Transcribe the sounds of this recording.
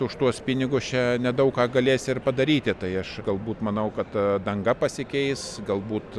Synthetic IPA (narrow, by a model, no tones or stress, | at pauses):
ʊʃt̪uɔspʲɪnʲɪɡʊst͡ʃʲɛnʲɛd̪ɐʊkkɑːɡɐlʲeːsʲɪrpɐd̪ɐɾʲiːt̪ʲɪt̪ɐɪɐʃɡɐlˠbuːt̪mɐnɐʊkɐt̪d̪ɐŋɡɐpɐsʲɪkʲɛɪsɡɐlˠbuːt̪